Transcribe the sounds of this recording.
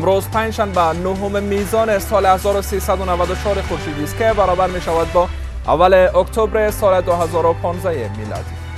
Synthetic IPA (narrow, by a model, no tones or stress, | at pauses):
mɾozpand͡ʒʃanbanoɦʊmemizɔnesɔlhazɔɾʊsesad̪ʊnavad̪ʊt͡ʃʰɔɾexʊɾʃid̪ist̪̚kebaɾɔbaɾmeʃavad̪̚bɔ | a̰valeokt̪ʰobɾesɔled̪ʊɦazɔɾʊpʰɔnzajemilɔ̰d̪i